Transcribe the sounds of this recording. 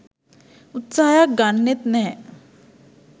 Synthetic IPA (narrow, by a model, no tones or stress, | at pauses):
ut̪saɦjaɡaɳːet̪nɛː